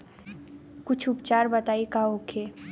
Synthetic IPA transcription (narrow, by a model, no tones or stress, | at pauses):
kʊt͡ʃʰʊpt͡ʃaːɾbɐt̪aːikaɦoːkʰeː